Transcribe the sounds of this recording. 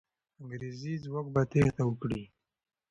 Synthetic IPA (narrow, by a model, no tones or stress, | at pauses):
aŋɡɾezizwok̚bat̪eht̪awəkɽi